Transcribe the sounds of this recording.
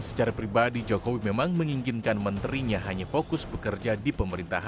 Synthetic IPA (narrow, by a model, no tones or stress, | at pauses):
sə̥t͡ʃaɾapɾibadid͡ʒokowimemaŋməŋiŋɡinkanmənt̪ɾiɲaɦaɲafokʊsbəkərd͡ʒadipəməɾint̪a̰ɦa